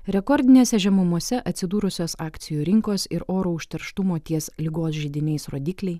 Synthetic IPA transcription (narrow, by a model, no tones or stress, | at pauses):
ɾʲɛkɔɾʲd̪ʲɪnʲeːsʲɛʒʲɛmʊmuɔsʲɛʔɐt̪ʲsʲɪd̪uːɾʊsʲoːsɑːkt̪sʲɪjuːɾʲɪŋkoːsɪɾoːɾoʊʃʲt̪ʲɛɾʃt̪ʊmoːt̪ʲiɛslʲɪɡoːsʒʲɪd̪ʲɪnʲɛɪsɾoːd̪ʲiːklʲɛɪ